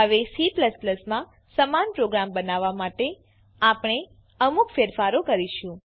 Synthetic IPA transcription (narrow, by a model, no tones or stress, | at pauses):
ɦəʋesipləspləsmã | səmanpɾoɡɾambənaʋːamaʈe | apɽɳ̃e | əmukfeɾfaɾokəɾiʃũ